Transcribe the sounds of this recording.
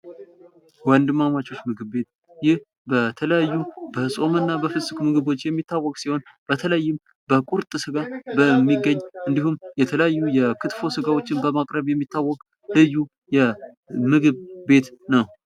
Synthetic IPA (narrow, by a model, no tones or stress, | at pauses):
wənd̪ɨmːamat͡ʃo̞t͡ʃːmɨɡɨβbe̞t̪̚ | jɪh | bət̪ʰələjajːubəɨsʼo̞mɨnːabəfɨsʼɨkmɨɡɨβo̞t͡ʃːjɛmːit̪ʰːawːɔkʼsiho̞n | b̥ət̪ʰələjːɪm | bəkʼuɾt̪ʼɨsɨɡabəmːiɡːəɲːʔɨnd̪ihumjɛt̪ʰələjajːujɛkʰɨt̪fo̞sɨɡawo̞t͡ʃːɪnbəmakʼɾəβjɛmːit̪ːawːɔkʼ | lɨjːu | jɛ | mɨɡɨβbe̞t̪nəw